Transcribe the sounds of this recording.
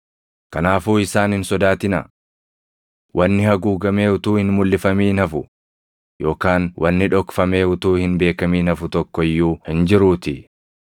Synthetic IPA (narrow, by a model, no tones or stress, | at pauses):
kɐnaːfuːɪsaːnhɪnsɔd̪aːt̪ɪnɐ̰ | wʔɐnːɪhɐɡuːɡɐmeːʊt̪uːhɪnmʊlːɪfɐmiːnɐfʊ | jo̞ːkaːnwʔɐnːɪᶑɔkfɐme̞ːʊt̪uːhɪnbe̞ːkɐmiːnɐfʊt̪ɔkːɔɪjːuːhɪnd͡ʒɪɾuːt̪ɪ